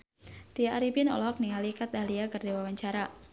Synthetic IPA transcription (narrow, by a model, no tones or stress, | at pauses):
t̪iaʔaɾipinɔ̰lɔk̚niŋalikat̪̚aliakɨrdewawaɲt͡ʃaɾa